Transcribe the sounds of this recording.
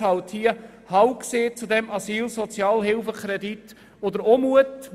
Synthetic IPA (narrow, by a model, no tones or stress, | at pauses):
ɑlthiə | hɑwkseːt͡sud̪ɛmʔɑsiːlsɔt͡sjɑːlɦɪlfəkɾɛd̪it̪ | od̪əɾomuət